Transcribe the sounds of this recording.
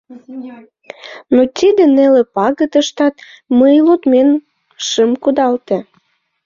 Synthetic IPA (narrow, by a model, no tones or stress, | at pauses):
not̪ʲid̪ĕnelĕpɑɣəd̪əʃt̪ɑt̪ | məjlot̪men | ʃɨmkud̪ɑlt̪ĕ